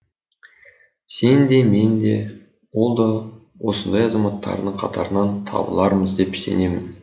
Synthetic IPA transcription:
se̞nd̪e̞me̞nd̪e̞ | wo̞lˠd̪ɑ | wo̞sənd̪ɑjɑzɑmɑt̪ːɑ̰ɾə̰nəɴqʰɑt̪ʰɑ̰ɾənɑnt̪ʰɑ̰bə̰lˠɑɾməzd̪e̞pse̞̰ne̞mɪn

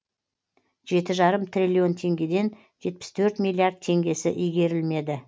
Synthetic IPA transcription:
ʒe̞t̪ɪʒɑɾəmt̪ʰrʲilʲio̞nt̪ʰe̞ŋɡʲe̞d̪e̞n | ʒe̞t̪̚pɪ̥st̪ʰɵɾt̪mʲijlʲˠiaɾd̪̚t̪ʰe̞ŋɡʲe̞sɪ̰ʔijɡʲe̞ɾɪlme̞d̪ɪ

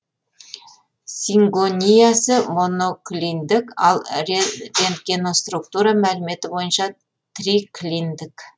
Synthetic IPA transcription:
sʲiŋɡonʲijasəmo̞no̞klʲind̪ɪkɑlˠɾe̞nd̪ɡʲino̞st̪ruk̚t̪uɾɑmælɪme̞t̪ɪbo̞jənʃɑ | t̪riklʲind̪ɪk

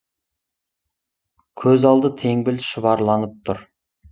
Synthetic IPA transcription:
kʲʰɵzɑlˠd̪ət̪ʰe̞ŋbɪlʃəβɑɾlˠɑnəp̚t̪ʰʊɾ

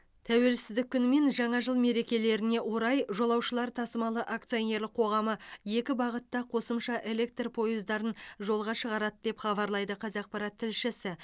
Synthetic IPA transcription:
t̪ʰæwe̞lsɪzd̪ɪkʲʰːʏnme̞nʒɑɴɑʒəlˠme̞ɾe̞kʲe̞le̞ɾɪne̞wo̞ɾɑjʒo̞lˠɑwʃəlˠɑɾt̪ʰɑsəmɑlˠəʔak̚t̪sione̞ɾlɪqʰo̞ʁɑməje̞kʲɪbɑʁət̪ːɑqʰo̞səmʃɑʔe̞le̞k̚t̪rpʰo̞jəzd̪ɑɾənʒo̞lˠʁɑʃəʁɑɾɑd̪əd̪e̞pχɑβɑɾlˠɑjd̪əqʰɑzɑq̚pɑɾɑt̪ʰːɪlʃɪsɪ

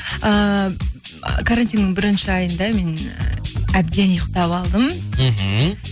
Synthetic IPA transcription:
ə | kʰaɾant̪ʲinːɪŋbɪɾɪnʃɪɑjənd̪ɑme̞n̰ | æb̚d̪e̞njəqt̪ɑpɑlˠd̪əmm̩ɦ̩

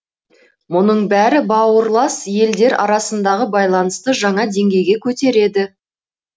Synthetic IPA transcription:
mʊnəɴbæɾɪbɑwəɾlˠɑsje̞ld̪e̞ɾɑ̰ɾɑsənd̪ɑʁəbɑjlˠɑnəst̪əʒɑɴɑd̪e̞ŋɡʲe̞jɡʲe̞kʲʰɵt̪e̞ɾe̞d̪ɪ

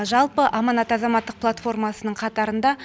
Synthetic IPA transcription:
ʒɑlˠpəʔɑmɑnɑt̪ɑzɑmɑt̪ːəq̚plˠat̪fo̞rmɑsənəɴqʰɑt̪ɑɾənd̪ɑ

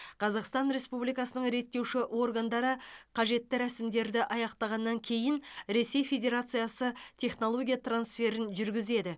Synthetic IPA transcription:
qʰɑzɑqst̪ɑnɾe̞spublijkɑsənəɴɾe̞t̪ːe̞wʃɪʔwo̞rɡand̪ɑɾəqʰɑʒe̞t̪ːɪɾæsɪmd̪e̞ɾd̪ɪʔɑjɑqt̪ɑʁɑnːɑŋkʲʰe̞jɪnɾe̞se̞jfe̞dʲe̞ɾat̪sɨjasət̪ʲʰe̞χno̞lˠo̞ɡʲijat̪ransfe̞ɾɪnʒʏɾɡʲɪze̞d̪ɪ

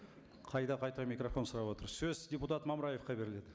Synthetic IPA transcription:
qʰɑjd̪ɑqʰɑjt̪ɑmʲijkro̞fo̞nsʊɾɑpwo̞t̪əɾsɵzd̪ʲeput̪at̪mɑməɾɑje̞fqɑbe̞ɾɪle̞d̪ɪ

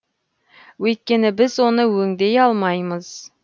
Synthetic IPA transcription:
wɵjt̪̚kʲe̞nɪbɪzwo̞nəwɵŋd̪e̞jɑlˠmɑjməz̥

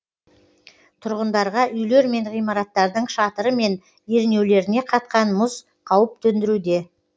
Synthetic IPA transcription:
t̪ʰʊɾʁənd̪ɑɾʁɑʔʏjle̞ɾme̞ɴʁijmɑɾɑt̪ːɑɾd̪əɴʃɑt̪əɾəme̞n | je̞ɾne̞wle̞ɾɪne̞qʰɑt̪̚qɑnmʊz | qʰɑwəp̚t̪ʰɵnd̪ɪɾud̪e̞

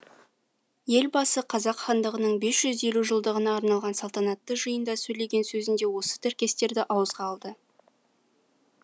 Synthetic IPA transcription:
je̞lbɑsəqʰɑzɑqχɑnd̪əʁənəɴbe̞sʒ̥ʏze̞luʒəlˠd̪əʁənɑːɾnɑlˠʁɑnsɑlˠt̪ɑnɑt̪ːəʒəjənd̪ɑsɵjle̞ɡʲe̞nsɵzɪnd̪e̞wo̞sə̥t̪ʰɪɾkʲe̞st̪e̞ɾd̪ɪʔɑwəzʁɑːlˠd̪ə

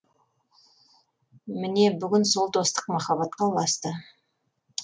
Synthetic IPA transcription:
mɪne̞bʏɡʲɪnso̞lˠt̪o̞st̪ə̥qmɑχɑβɑt̪̚qɑlˠɑst̪ə

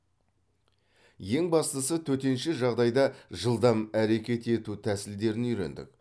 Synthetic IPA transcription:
je̞ŋbɑst̪əsət̪ʰɵt̪e̞nʃɪʒɑʁd̪ɑjd̪ɑʒəlˠd̪ɑmæɾe̞kʲe̞t̪e̞t̪ut̪ʰæsɪld̪e̞ɾɪnʏjɾe̞̰nd̪ɪ̰k

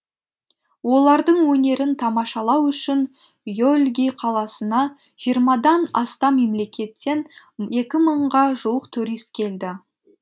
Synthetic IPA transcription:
wo̞lˠɑɾd̪əɴwɵne̞ɾɪnt̪ʰɑmɑʃɑlˠɑwʏʃɪn | jolʲɡʲijqʰɑlˠɑsənɑ | ʒ̥ijəɾmɑd̪ɑnɑst̪ɑme̞mle̞kʲe̞t̪ːe̞n | je̞kʲɪməɴʁɑʒuwəqt̪ʰuɾijst̪kʲʰe̞ld̪ɪ

